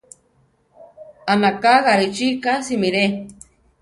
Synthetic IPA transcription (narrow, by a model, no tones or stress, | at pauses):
anakaɣaɾit͡ʃikasimiɾe